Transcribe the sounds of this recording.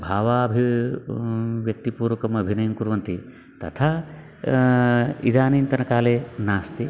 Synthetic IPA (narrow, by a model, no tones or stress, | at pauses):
bʱaːʋaːbʱi | ʋjɐk̚t̪ipuːɾʋɐkɐmɐbʱinɐjɐmkuɾʋɐnt̪i | t̪ɐ̰t̪ʰa | ḭd̪aːniːnt̪ɐnɐkaːleːnaːst̪i